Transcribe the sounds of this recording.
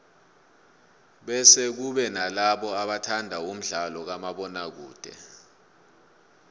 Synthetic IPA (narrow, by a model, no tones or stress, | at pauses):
ɓɛsɛk̬uɓɛnalaɓɔaɓatʰandʱaum̩ɮalɔk̬amaɓɔnak̬ṵːd̥ʱɛ̰